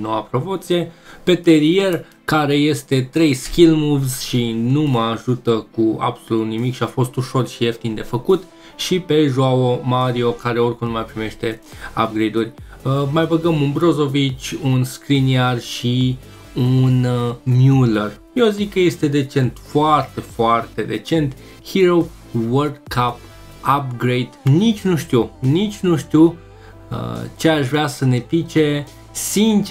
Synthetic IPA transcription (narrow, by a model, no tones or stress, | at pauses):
no̞wapɾo̞po̞t̪sije̞pe̞t̪e̞ɾie̞r | kaɾe̞je̞st̪e̞t̪ɾe̞jskʲilmuvzʃinuməaʒut̪əkua̰bso̞lut̪nimikʃiafo̞st̪uʃo̞rʃieft̪ind̪e̞fəkut̪ | ʃipe̞ʒwaomaɾio̞kaɾe̞o̞rʲkumlmajpɾime̞ʃt̪e̞a̰b̚ɡɾid̪urʲmajbəɡəmunbɾo̞zo̞vit͡ʃʲunskɾiniarʃi | unnjulərjozikːəje̞st̪e̞d̪e̞t͡ʃe̞nt̪foart̪e̞foart̪e̞d̪e̞t͡ʃe̞nt̪ | hiɾow | wərdkʰap | ap̚ɡɾejd̪nit͡ʃʲnuʃt̪unit͡ʃʲnuʃt̪u | ə̰t͡ʃeaʃvɾeasəne̞t̪it͡ʃe | sint͡ʃ